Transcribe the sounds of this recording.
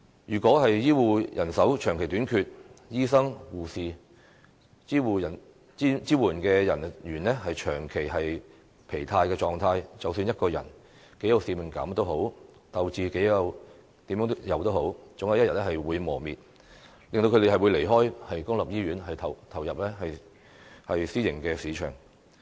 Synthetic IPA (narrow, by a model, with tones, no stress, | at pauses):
jyː˨˩kʷɔː˨˥ɦɐ˨jjiː˥wuː˨jʔɐ˨˩nsɐ˨˥wt͡ʃʰœː˨˩ŋkʰe˨˩t̪yː˨˥nkʰyː˧t̚jiː˥sɐ˥ŋwuː˨˩siː˨˧ | iː˥wu˨˧jɐ˨˩n | i˥t͡siː˥wuː˨˩nkɛː˧jɐ˨˩njyː˨˩nlɛ˥hɐ˨jt͡ʃʰœː˨˩ŋkʰe˨˩jɦɐ˨j | pʰe˨˩jt̪ʰaː˧jkɛː˧t͡ʃɔː˨˩ŋt̪ʰaː˧jt͡sɐ˨wsyː˧njɐ˥t̚kɔː˧jɐ̰˨˩n | ke˨˥jɐ˨˧wsiː˧mɪ˨˩ŋkɐ̰˨˥mt̪o˥wɦo˨˥w | t̪ɐ˨wt͡siː˨ke˨˥jjɐ˨˧w | t̪iː˨˥mjœ˨˥t̪jɐ˨wt̪o˥who˨˥wt͡sʊ˨˥ŋjɐ˧wjɐ˥jɐ˨˩n̚lɛ˥hɐ˨jwuː˨˧jmɔː˨˩miː˨t̚ | lɪ˨ŋt̪o˧kʰɵ˧t̪e˨˩hɐ˨jwuː˨˧jle˨˩jɦɔː˥jhɐ˨jkʊ˥ŋlɐ˨p̚jiː˥jyː˨˥nhɐ˨jt̪ʰɐ˨˩wt̪ʰɐ˨˩wjɐ˨p̚lɛ˥hɐ˨j | hɐ˨jsiː˥jɪ˨˩ŋkɛː˧siː˨˥t͡ʃʰœ̰ː˨˩ŋ